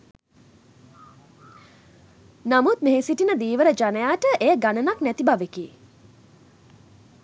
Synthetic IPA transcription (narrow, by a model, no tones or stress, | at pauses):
namut̪̚meɦesiʈinəd̪iːʋəɾəd͡ʒanəjaːʈəʔejəɡanənaknæt̪ibaʋekiː